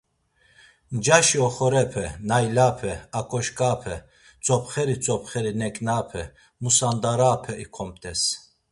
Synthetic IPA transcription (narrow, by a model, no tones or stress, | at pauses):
nd͡ʒaʃiɔχɔɾɛpʰɛnajlapʰɛakʼɔʃkʼaːpʰɛ | t͡sʼɔpʰχɛɾit͡sʼɔpχɛɾinɛkʼnapʰɛ | musand̪aɾaːpʰɛʔikʰɔm̚t̪ʼɛs